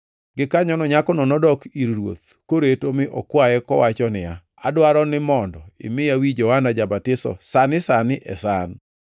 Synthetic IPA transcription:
ɡɪkaɲɔnɔɲakɔnɔnɔdɔkiɾɾwo̰t̪ | koɾetomɪʔɔ̰kwajɛkɔwat͡ʃɔnɪja | a̰dwaɾɔnɪmɔndɔɪ̰mɪjawid͡ʒɔwanad͡ʒabatɪsɔ̰sanɪsanɪʔɛ̰san

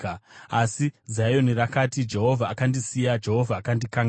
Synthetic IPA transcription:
asizajo̞nirakatid͡ʒe̞ɦo̞vʱaːkandisijad͡ʒe̞ɦo̞vʱaːkandikaŋɡ

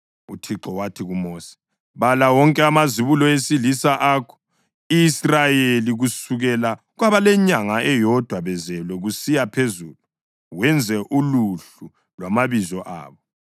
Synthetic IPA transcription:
utʰiǁɔwatʰiɣumoːsi̥ | βalawɔŋkʼɛamaziβulɔesilisaʔakʰɔ̥ | iːsrajeliɣusuɣɛla | ɣwaβalɛɲaŋaʔɛjɔd̥ʱwaβɛzɛlwɛɣusijapʰezuːlu | wɛnd͡zʱɛʔuluɬ | u | lwamaβizɔʔa̰ːβɔ

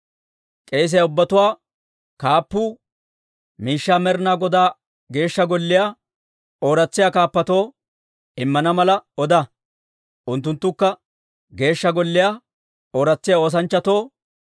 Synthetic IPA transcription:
kʼe̞ːs̬ɪjaʊbːɐt̪ʊwaː | kaːpːuː | miːʃːaːmɛɾnaːɡɔd̪aː | ɡe̞ːʃːɐɡɔlːɪja | o̞ːɾɐt͡sːɪjaːkaːpːɐt̪o̞ː | ɪmːɐnɐmɐlɐɔd̪ɐ | ʔʊnt̪ːʊnt̪ːʊkːɐ | ɡe̞ːʃːɐɡɔlːɪja | o̞ːɾɐt͡sːɪjao̞ːs̬ɐnt͡ʃːɐt̪o̞ː

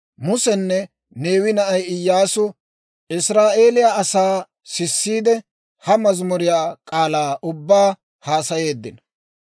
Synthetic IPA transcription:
mʊsɛnːɛ | ne̞ːwɪnɐʔɐjɪjːaːsʊ | ɪsɾaːʔe̞ːlɪjaʔɐsaː | sɪsːiːd̪ɛ | hɐmɐzmʊɾɪjaːkʼaːlaːʔʊbːaː | haːsɐje̞ːd̪ːɪnɐ

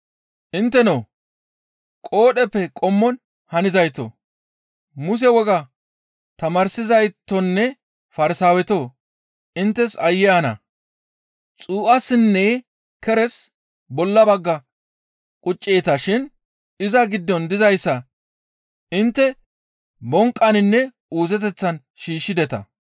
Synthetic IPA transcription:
ʔɪnt̪ːɛnoː | kʼo̞ːɗɛpːɛkʼɔmːɔn | hɐnɪzɐjt̪ːo̰ | mʊs̬ɛwɔɡɐ | t̪ɐmɐɾsɪzɐjt̪ːɔnːɛ | fɐɾɪsaːwɛt̪o̞ː | ʔɪnt̪ːɛsɐjːɪanɐ̰ | t͡sʼuːʔɐsɪnːeː | kɛɾɛs | bɔlːɐbɐɡːɐ | kʼʊt͡ʃʼːeːt̪ɐʃɪn | ɪzɐɡɪd̪ːɔnd̪ɪzɐjsːɐ | ɪnt̪ːɛ | bɔŋkʼːɐnɪnːɛ | uːzɛt̪̬ɛt͡sːɐn | ʃiːʃːɪd̪ɛt̪ɐ̰

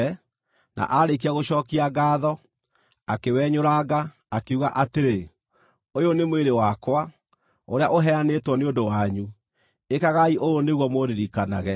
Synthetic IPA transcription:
na̰ʔaɾek̬iaɣoɕɔːkiaɡaːðɔ | akewɛɲoɾaɡaː | keuɣaʔateɾe | ojonemweɾewakwa | oɾeaʔoɦɛanetwɔneondowaɲu | ekaɣaiʔojoneɣwɔmoɾeɾikana̰ɣɛ

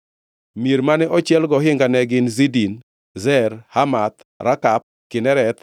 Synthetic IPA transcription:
mjeɾmanɛʔɔt͡ʃjɛlɡɔɦɪŋɡanɛɡɪnzidin | zɛɾhamat̪ | ɾʔakap̚kɪnɛɾɛt̪

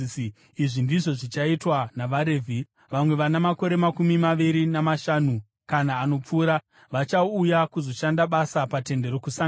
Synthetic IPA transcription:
iʐindiʐo̞ʐit͡ʃaitwanaʋaɾeːvʱi | ʋamwe̞ʋanamako̞ɾe̞makumimaʋiɾinamaʃanu | kanaːno̞p͡fuːɾa | ʋat͡ʃaujakuzo̞ʃandaɓasapate̞nde̞ɾo̞kusa

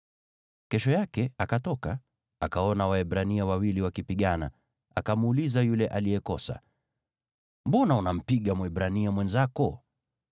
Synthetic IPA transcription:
kɛʃɔjakɛakatɔka | akaɔnawaɛɓɾaniawawiliwakipiɠana̰ | akamuulizajulɛʔalijɛkɔsa̰ | mbɔnaunam̩piɠamwɛbɾaniamwɛnzakɔ

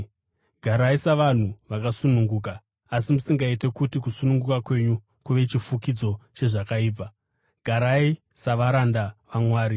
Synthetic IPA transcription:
ɡʱaɾaisaʋan̤uʋakasunuŋɡuːk̬aː | simusiŋɡaite̞kutikusunuŋɡukakwe̞ɲu | kuʋe̞t͡ʃifukid͡zo̞t͡ʃe̞ʐakaiːp̬a | ɡ̥ʱaɾai | saʋaɾandaʋamwaːɾi

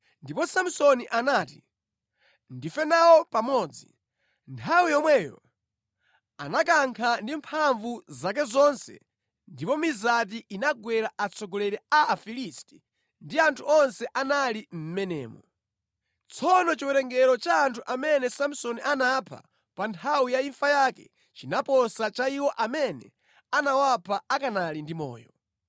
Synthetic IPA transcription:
ndipɔsam̩sɔniʔanaːti | ndifɛnawɔpamɔːd͡zi | ntʰawijɔmwɛːjɔ̰ | a̰nak̬aŋkʰandimpʰaɱvuzak̬ɛzɔnsɛ̰ | ndipɔmizat̬iʔinaɡwɛɾaʔat͡sʰɔɡɔlɛɾɛaːfilisti̥ | ndiantʰuɔnsɛʔanalim̩mɛnɛ̰ːmɔ | t͡sʰɔnɔt͡ʃiwɛɾɛŋɡɛɾɔt͡ʃaːntʰuʔamɛnɛsamusɔniʔanapʰa̰ | pantʰawijaiɱfajakɛ | t͡ʃinapɔsat͡ʃaiwɔʔamɛnɛ̰ | anawapʰaakanalindimɔ̰ːjɔ

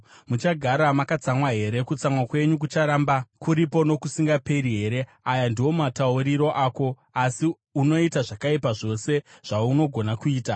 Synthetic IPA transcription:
mut͡ʃaɡʱaɾamakat͡samwaɦe̞ɾe̞kut͡samwakwe̞ɲuk̬ut͡ʃaɾaːmbakuɾipo̞no̞kusiŋɡape̞ɾiɦe̞ːɾe̞ | ajandiwo̞matauɾiɾo̞ʔaːko̞ | asi | uno̞itaʐakaipaʐo̞se̞ʐ̥auno̞ɡʱo̞nakuiːta

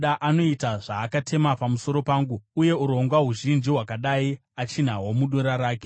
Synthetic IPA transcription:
ɗaʔano̞itaʐaːkatʰe̞mapamuso̞ɾo̞paːŋɡuuje̞uɾo̞ŋɡwaɦuʒind͡ʒiɦwakaɗai | at͡ʃin̤awomuɗoɾaɾaːke̥

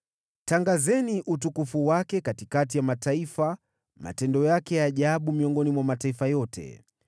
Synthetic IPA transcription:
taŋɡazɛniʔutukufuwakɛkatikatijamataifa | ma̰tɛndɔjakɛjaʄaɓumiɔŋɡɔnimwamataifajɔtʰɛ̰

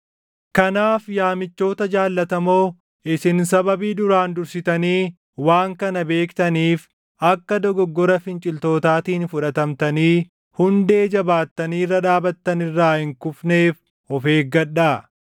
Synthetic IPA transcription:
kɐnaːfjaːmɪt͡ʃːo̞ːt̪ɐd͡ʒaːlːɐt̪ɐmo̞ː | ɪsɪnsɐbɐbiːd̪ʊɾaːnd̪ʊɾsɪt̪ɐniː | waːŋkɐnɐbe̞ːkt̪ɐniːf | ɐkːɐd̪ɔɡɔɡːɔɾɐfɪnt͡ʃʼɪlt̪o̞ːt̪aːt̪iːnfʊᶑɐt̪ɐmt̪ɐniː | hʊnd̪e̞ːd͡ʒɐbaːt̪ːɐniːrːɐᶑaːbɐt̪ːɐnɪrːaːhɪŋkʊfne̞ːf | ɔfeːɡɐᶑaː

